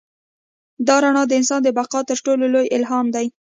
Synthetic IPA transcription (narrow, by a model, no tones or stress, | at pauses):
d̪ɑɾaɳɑd̪əɪnsɑnd̪əbaqɑt̪əɾʈololojɪlɦɑmd̪aj